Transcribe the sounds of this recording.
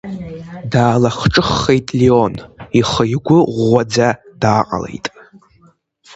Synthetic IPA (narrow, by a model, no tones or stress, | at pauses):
daːlaχʈ͡ʂʼɨχːejtʼlioniχəjɡʷʊʁʷad͡zad̥aːqʼa̰lḛjtʼ